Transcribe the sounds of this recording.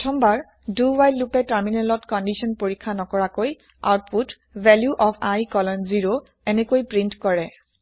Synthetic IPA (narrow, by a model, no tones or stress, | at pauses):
ɔtʰɔmbaɹ | duwajlupɛtaɹminɛlɔtkɔndisɔnpoɹikʰːanɔkɔɹakoj | a̰wt̚put | bʱɛljuʔɔpʰajkɔlɔnziɹo | ɛnɛkojpɹintkɔɹɛ